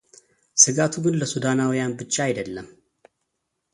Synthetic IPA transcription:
sɨɡat̪ʰuɡɨnləsud̪anawijanbɨt͡ʃːaajd̪əlːəm

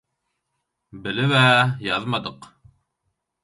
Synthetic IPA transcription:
bɘ̆lɘβæjɑðmɑd̪ɤq

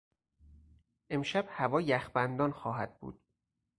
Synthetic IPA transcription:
ʔe̞mʃæb̥hævɒːjæxbænd̪ɒːnxɒːɦæd̪̚bṵːd̪̥

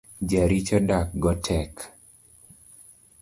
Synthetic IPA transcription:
d͡ʒaɾit͡ʃɔdak̚ɡɔtʰɛk

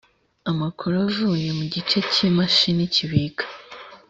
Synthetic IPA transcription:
amakʰoɾavuje̞muɟit͡ʃe̞cimaʃiniciβikḁ

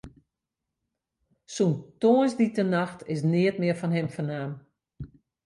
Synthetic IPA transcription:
suntoənsditənaxtʰɪsnɪətmɪəfɔnɦɪmfənaːm

